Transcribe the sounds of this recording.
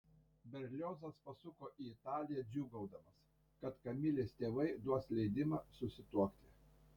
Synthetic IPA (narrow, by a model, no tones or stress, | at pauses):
bʲɛɾʲlʲoːzɐspɐsʊkoːʔiːɪt̪ɑːlʲɪjɛd͡ʒʲuːɡɐʊd̪ɐmɐs | kɐt̪kɐmʲɪlʲeːst̪ʲeːʋɐɪd̪uɔslʲɛɪd̪ʲɪmɑːsʊsʲɪt̪uɔkt̪ʲɪ